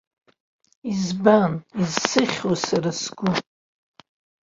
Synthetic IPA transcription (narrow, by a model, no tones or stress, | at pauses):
izbanizsɨχʲwosaɾasɡʷʊ